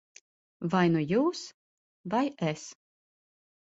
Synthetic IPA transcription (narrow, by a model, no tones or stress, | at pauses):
vajnujuːs | vajɛs